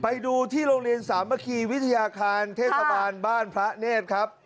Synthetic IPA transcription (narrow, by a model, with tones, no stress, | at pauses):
pa˧jduː˧t̪ʰiː˥˩ɾoː˧ŋɾi˧ənsaː˩˦mːa˦˥kʰiː˧wi˦˥t̪ʰa˧jaː˧kʰaː˧nt̪ʰeː˥˩t̪̚sa˧baː˧nbaː˥˩npʰɾa˦˥neː˥˩t̪̚kʰa˦˥p̚